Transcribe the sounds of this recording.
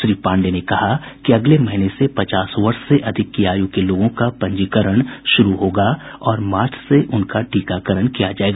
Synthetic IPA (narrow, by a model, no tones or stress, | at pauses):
ʃɾiːpãːɳɖenekɐhakiɐɡlemɐɦɪnesepɐt͡ʃaːsʋɐɾʃseʔɐd̪ʱɪkːijaːjukeloːɡõkapɐ̃ɲd͡ʒikəɾəɽ̃ʃʊɾuɦoːɡaːɔːɾmaːɾt͡ʃʰseʔʊnkaɖʱiːkakəɾəɽ̃kijad͡ʒaːeːɡaː